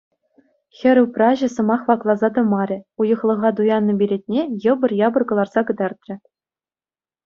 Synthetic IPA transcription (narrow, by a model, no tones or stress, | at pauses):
xʲɘ̆ɾʲɘ̆wprɑʑɘ̆sɤ̆mɑχʋɑklˠɑzɑt̪ɤ̆mɑɾʲɘ̆ujɤ̆χlˠɤ̆ʁɑt̪̬ujɑnːɤ̆bʲiɾʲet̚ʲnʲejɤ̆bɤ̆rjɑbɤ̆rɡɤ̆lˠɑrz̥ɑɡɤ̆d̪ɑrt̪ʲrʲɘ̆